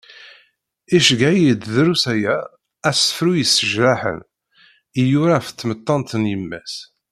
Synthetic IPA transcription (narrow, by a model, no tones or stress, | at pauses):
iʃɡæjid̪ðɾusæjæ | æsə̥fɾujəsːəʒɾaħə̰n | ijuɾaft̪ːmət̪ˤːɑnt̪ənjəmːæs